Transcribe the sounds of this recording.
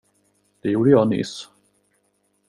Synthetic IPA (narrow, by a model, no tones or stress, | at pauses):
d̪̥ɛjuːɖəjɑːnʏ̰ːs